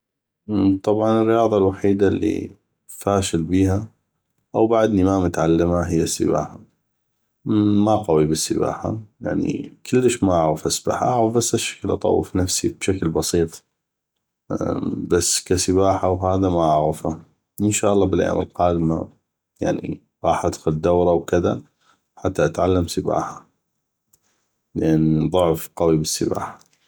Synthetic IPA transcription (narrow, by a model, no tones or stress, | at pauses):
t̪ˤɑbʕɑnɪrːɪjɑːðˤɑlwaħiːd̪alːḭ | faːʃɪlbiːɦa | ʔawbaʕd̪nimamʊt̪ʕalːamaɦɪjːasːə̰ba̰ːħa | maqɑwibɪsːɪba̰ːħa̰ja̰ʕnḭkʰɪlːəʃmaʔaʕɣafʔasba̰ːħa̰ʔaʕɣəfbasːʔaʃːḁklʔɑ̰t̪ˤɑ̰wːɪ̰fnafsibʃaklbɑsiːt̪ˤ | basːkasəβaːħawhaːðamaʔaʕɣɪfa | ʔɪnʃaːʔɑlˤːɑːbɪlʔa̰məlqɑːd̪ma | ja̰ʕnḭ | ɣɑːħʔad̪xʊld̪awɾˤɑwkɪða | ħat̪ːaʔat̪ʕalːamsəba̰ːħa | ləʔanːðˤʊʕfqɑwibəsːəba̰ːħḁ